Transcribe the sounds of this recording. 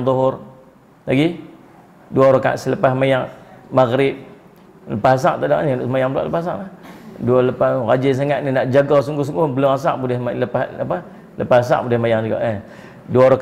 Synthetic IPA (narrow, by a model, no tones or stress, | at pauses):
ŋt̪ɔɦʊr | laɡi | duaɾoka̰ʔsələpahmajaŋmaɣɾɪp̚ | ləpahas̬a̰ʔt̪adaʔnianʊʔsəmajaŋbəla̰ʔləpahs̬a̰ʔlahdualəpaɣad͡ʒis̬aŋaʔ̪ninaʔd͡ʒaɡɔsuŋɡʊhs̬uŋɡʊhbəlʊŋas̬a̰ʔbudɪhəpahapa | ləpahas̬a̰ʔbudɪhmajaŋd͡ʒuɡa̰ʔə | duaɾo